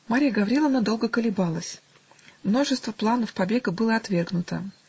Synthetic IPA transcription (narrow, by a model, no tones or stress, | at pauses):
maɾʲijəɡɐvɾʲelˠəvnad̪o̞lˠɡəkəlʲɪbalˠəsʲ | mno̞ʐɨst̪vəplˠanəfpɐbʲe̞ɡəbɨlˠəɐt̪vʲe̞rɡnʊt̪ə̰